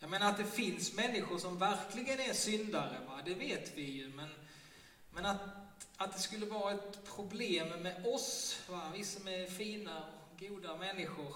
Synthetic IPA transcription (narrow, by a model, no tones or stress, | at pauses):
jɑmeːnaɾat̪̚d̪ɛfɪnsmɛnːɪɧʊʂɔmvæɾklɪɡənæɾʂʏnd̪aɾə̰vad̪ɛveːt̪vɪjɵmɛn | mɛnat̪at̪̚d̪ɛskɵlːəvɑːɾaɛt̪pʰɾʊbleːmːɛɔsvavɪsːamɛfiːna | ɡuːd̪amɛnːɪɧʊɾ